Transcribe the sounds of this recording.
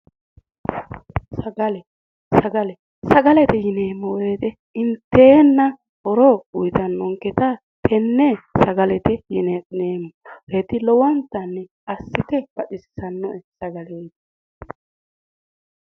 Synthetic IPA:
sɐɡɐlɛ | sɐɡɐlɛ | sɐɡɐlɛt̪ɛjɪneːmɔweːt̪ɛ | ɪnt̪ːeːnːɐ | ɔɾɔʊjt̪ɐnːɔŋkɛt̪a | t̪ʰɛnːɛsɐɡɐlɛt̪ɛjɪneneːmɔheːt̪ɪlɔwɔnt̪ːɐnːɛ | ɐsːɪt̪ɛb̥ɐɗɪsɪ̥sɐnːɔʔɛsɐɡɐleːt̪

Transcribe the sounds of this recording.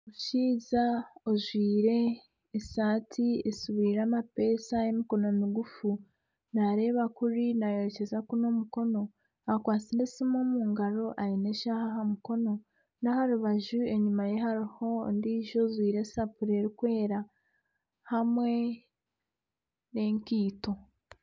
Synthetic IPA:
uʃiːzaoʒwiːɾe̞ː | saːtʰiesuβiːɾaːmape̞ːsajemiko̞no̞miɡufu | naɾe̞ːβakuɾinajoɾece̞zakuno̞muko̞no̞ | akwaːt͡siɾe̞simomuːŋɡaɾo̞ʔaɾine̞ʃahaɦamuko̞no̞ | nahaɾuβaʒue̞ɲumaje̞ɦaɾiho̞ndiːʒo̞zwiːɾe̞sapuɾe̞ɾikwe̞ːɾa | hamwe̞ | ne̞ːŋkiːto̞

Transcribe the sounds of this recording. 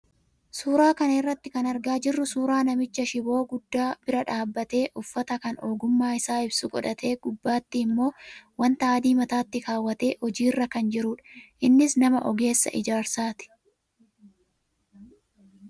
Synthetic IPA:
suːɾaːkɐnɪrːɐt̪ːɪkɐnɐɾɡaːd͡ʒɪrːʊsuːɾaːnɐmɪt͡ʃːɐʃɪbo̞ːɡʊd̪ːaːb̥ɪɾɐᶑaːbːɐt̪e̞ːʔʊfːɐt̪ɐkɐnʔo̞ːɡʊmːaːɪsaːɪbsʊɡʼɔ̰ᶑɐt̪ʰe̞ːɡ̥ʊbːaːt̪ːɪːmːo̞ːwɐnt̪ɐaːd̪iːmɐt̪aːt̪ːɪkaːwːɐt̪e̞ːhɔd͡ʒiːrːɐkɐnd͡ʒɪɾuːᶑɐ̥ʔɪnːɪsnɐmɐʔɔɡe̞ːsːɐ̰ʔɪd͡ʒaːɾsaːt̪ɪ̥

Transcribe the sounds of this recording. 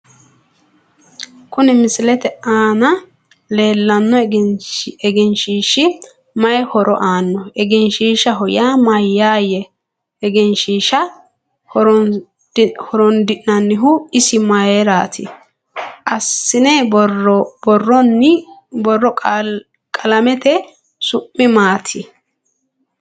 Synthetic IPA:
kʊnɛmɪsɪlɛt̪ɛaːnɐ | le̞ːlːɐnːɔ | ɛɡɛnʃiːʃɪ | mɐjɛhɔɾɔ̰ʔaːnːɔɛɡɛnʃiːʃɐɦɔjaːmɐjːaːjɛ | ɛɡɛnʃiːʃɐ | ɾ | hɔɾɔnd̪ɪʔnɐnːɪɦʊɪsɪmɐjeɾaːt̪ʰɪ | ʔɐsːɪnɛ | bɔrːɔnːɪbɔrːɔ | kʼɐlɐmɛt̪ɛ | sʊpːɪmaːt̪ʰɪ

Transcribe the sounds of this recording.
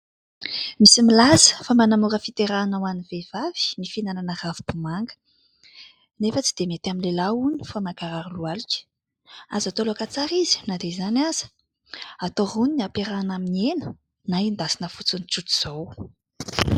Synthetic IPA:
misimilazə̥famanamuɾəfit̪eɾanawanivev̥avi̥nifinananəravibumaŋɡə̥ | nefət͡sid̪̥emet̪aminlelauni̥famaɡaɾaɾulualikə̥ | azat̪oloakat͡saɾizi̥nad̪ezanaz̥ə̥ | at̪oɦuniniapeɾanaminienə | naind̪asinəfut͡sunit͡sut̪u̥z̥ow

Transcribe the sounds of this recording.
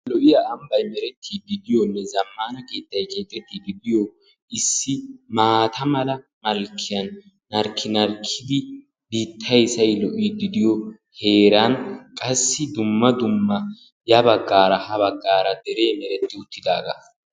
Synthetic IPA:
lɔʔɪjɐːmbɐjmɛɾɛt̪ʰːiːɡɪd̪ɪjɔnːɛzɐmːaːnɐkʼeːt̪ːɐjkʼeːt̪ʼːɛt̪ːiɡɪd̪ɪjɔ | ɪsːɪmaːt̪ʰɐmɐlɐ | mɐlkʰːɪjɐnː | ɐɾkʰːɪnɐɾkʰːɪd̪ɪ | biːt̪ʰːɐjsɐjlɔʔiɡ̪ɪd̪ɪjɔ | he̞ːɾɐnkʼɐsːɪd̪ʊmːɐd̪ʊmːɐ | jɐbɐɡːaːɾɐhɐβɐɡːaːɾɐd̪ɛɾe̞ːmɛɾɛt̪ːɪʊt̪ʰːɪd̪aːɡa̰

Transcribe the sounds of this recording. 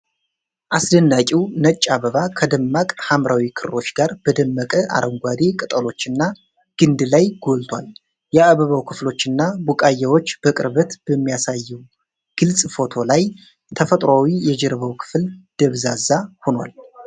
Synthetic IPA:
ʔasd̪ənːakʼiwnət͡ʃʼːaβəβakʰəd̪əmːakʼhamɾawikʰɨɾɾo̞t͡ʃːɡ̥aɾb̥əd̪əmːəkʼəʔa̰ɾʔəŋɡʷad̪ekʼɨt̪ʼəlo̞t͡ʃːɨnːa | ɡ̥ɨnd̪ɨlajɡ̥o̞lt̪ʰwal | jɛaβəβəwkʰɨflo̞t͡ʃːɨnːabukʼajːawo̞t͡ʃːb̥əkʼɨɾbət̪b̥əmːijasajːɛw | ɡ̥ɨlsʼfo̞t̪ʰo̞laj | t̪ʰəfət̪ʼɾawijɛd͡ʒɛɾəβəwkʰɨ̥fld̪̥əβzazahonwa̰l

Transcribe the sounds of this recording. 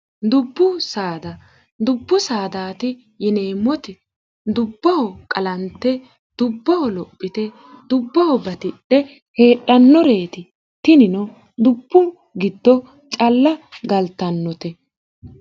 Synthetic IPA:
d̪ʊbːʊsaːd̪ɐ | d̪ʊbːʊsaːd̪aːt̪ɪ | jɛne̞ːmːɔt̪ɪ | d̪ʊbːɐhɔkʼɐlɐnt̪ːɛ | d̪̥ʊbːɐhɔlɔpʼːɪt̪ɛ | d̪̥ʊbːɐhɔbɐt̪ɪɗɛ | he̞ːɗɐnːɔɾeːt̪ɪ | t̪ɪnɪnɔ | d̪ʊbːʊ | ɡɪd̪ːɔ | t͡ʃʼɐlːɐɡɐlt̪ːɐnːɔt̪ɛ

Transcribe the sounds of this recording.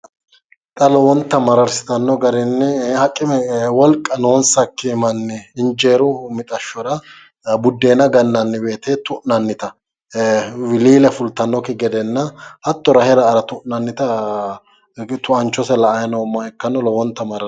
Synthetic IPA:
t̪ʼɐlɔwɔnt̪ːɐmɐɾɐɾsɪ̥t̪ɐnːɔɡɐɾɛnːɛhɐkʼːɪmɛwɔlkʼːɐno̞ːnsɐkːɪmɐnːɪɪnd͡ʒeːɾʊmɪt̪ʼɐʃːɔɾɐ | bʊd̪ːeːnɐɡɐnːɐnːɪbe̞ːt̪et̪ʊʔnɐnːɪt̪ɐ | wɪliːlɛfʊlt̪ːɐnːɔkɪɡɛd̪ɛnːɐhɐt̪ːɔɾɐhɛɾɐːɾɐt̪ʊʔnɐnːɪt̪ɐ | t̪ʊɐnt͡ʃːɔsɛlɐɐjnɔmːɐɛkːɐnːɔlɔwɔnt̪ːɐmɐɾɐ

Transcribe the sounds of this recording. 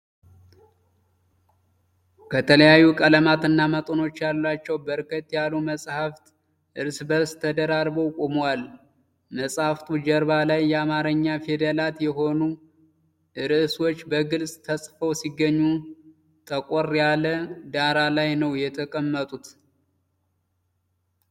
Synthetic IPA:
kʰət̪ʰələjajːukʼələmat̪ɨnːamət̪ʼono̞t͡ʃːjalːat͡ʃːɛwbəɾkʰət̪ʼjaluməsʼhaft̪ | ʔɨɾsɨbəɾst̪ʰːəd̪əɾaɾbəwkʼomwal | məsʼhaft̪ʰud͡ʒəɾβalajːɛamaɾəɲːafed̪əlat̪jɛɦo̞nu | ʔɨɾɨʔɨswo̞t͡ʃːbəɡɨlsʼt̪ʰəsʼfəwsiɡːəɲːu | t̪ʰəkʼorjaləd̪aɾalajnəwjɛt̪ʰəkʼəmːət̪ʼut̪

